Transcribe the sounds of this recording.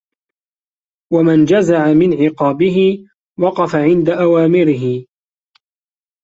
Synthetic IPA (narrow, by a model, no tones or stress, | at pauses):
wamand͡ʒazaʕamɪnʕɪqɑːbɪɦɪ | wɑqɑfaʕɪnd̪aʔawaːmɪɾɪɦɪ